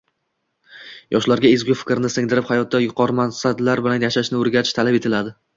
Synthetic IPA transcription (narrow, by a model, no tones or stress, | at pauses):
jʔɒʃlaɾɡʲaezɡʲʊfɪ̥kʲɾnɪsɪŋd̪ɪɾɪphajɒt̪̚ːajʊqʰɒɾmansad̪laɾbɪlanjaʃaʃnɪoɾɡʲat̪ɪ̥ʃt̪ʰalape̞t̪ʰɪlad̪ɪ